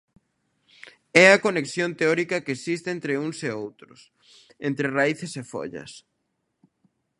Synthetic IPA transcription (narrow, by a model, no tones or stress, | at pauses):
ɛɐkoneksjont̪eɔɾikɐkeesist̪eent̪ɾeuŋseowt̪ɾʊs | ent̪ɾeraiθesefɔ̰ʎɐ̰s